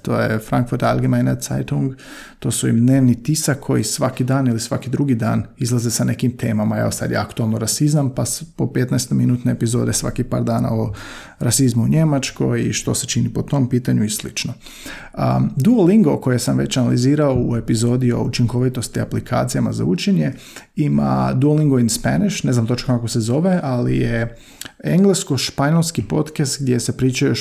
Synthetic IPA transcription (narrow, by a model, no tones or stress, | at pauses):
t̪o̞ːjefɾaŋkfuɾt̪alˠɡimajnat̪sa̰jt̪uŋɡ | t̪o̞ːsuimd̪ne̞ːʋnit̪isakʰːo̞jisʋakid̪aːnilisʋakid̪ɾuɡid̪a̰ːnizlˠazesane̞kimt̪ʰeːmamae̞ʋosa̰d̪jḛakt̪uelˠnoɾasizampaspope̞t̪naest̪ojminuːt̪neepizo̞ːd̪e̞sʋa̰kipa̰ːɾd̪aːna̰o | ɾasizmuuɲe̞mat͡ʃko̞jiʃt̪o̞set͡ʃinipo̞t̪o̞mpiːt̪aɲujeslḭt͡ʃno | ə̰d̪uoliŋɡo̞ko̞jesamʋe̞̰t͡ɕanaliziːɾaoue̞pizo̞ːd̪io̞̰ut͡ʃiŋko̞ʋit̪o̞st̪iaplikʰa̰ːt̪sijamaza̰ut͡ʃeɲe̞ | ima̰d̪uoliŋɡoinspa̰niʃne̞znamt̪o̞t͡ʃokako̞sezo̞ʋe̞alḭje | eŋɡlˠesko̞ʃpaɲe̞lˠskipo̞t̪kast̪ɡ̚d̪jesepɾiːt͡ʃajo